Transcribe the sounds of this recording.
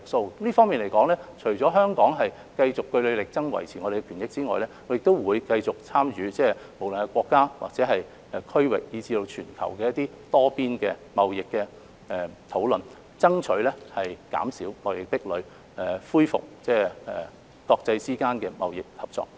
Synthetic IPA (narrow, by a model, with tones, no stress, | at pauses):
ɪ˨˩k̚so˧wliː˥fɔː˥ŋmiː˨˩nle˨˩jkɔː˨˥ŋlɛː˥t͡ʃʰɵ˨˩ɥt͡sɔː˨˥ɦœː˥ŋkɔː˨˥ŋɦɐ˨j | kɐ˧jt͡sʊ˨kːɵ˧ɥlɵ˨˧ɥlɪ˨k̚t͡sɐ˥ŋwɐ̰˨˩jt͡sʰiː˨˩ŋɔː˨˧de˨ɡɛ˧kʰyː˨˩njɪ˥k̚t͡siː˥ŋɔː˨jlɛː˥˨˥jɪ˨k̚t̪o˥wwuː˨˧jkɐ˧jt͡sʊ˨k̚t͡sʰaː˥mjyː˨˧t͡sɛː˥mo˨˩wlɵ˨nkɛ˧kʷɔː˧kːaː˥wa̰˨k̚t͡sɛː˨˧˥ɦɐ˨j | ɛ˨kʰɵ˥ɥwɪ̰˨k̚jiː˨˧t͡siː˧t̪o˧wt͡ʃʰyː˨˩nkʰɐ̰˨˩wkɛː˧jɐ˥t̪iː˥ | t̪ɔː˥piː˥nkɛː˧mɐ˨wjɪ˨kːɛː˧ | ɛ˨t̪ʰo˨˥wlɵ˨n | t͡sɐ˥ŋt͡ʃʰɵ˨˥lɛː˥hɐ˨jka̰ː˨˥msiː˨˥wmɐ˨wjɪ˨˩k̚pɪ˥k̚lɵ˨˧ɥ | ɛ˨˩fuː˥jfʊ̰˨k̚t͡sɛː˥ɛ̰˨˩ | kɔː˧k̚t͡sɐ˧jt͡siː˥kaː˥nkɛː˧mɐ̰˨wjɪ˨k̚hɐ˨p̚t͡sɔ̰ː˨˩k̚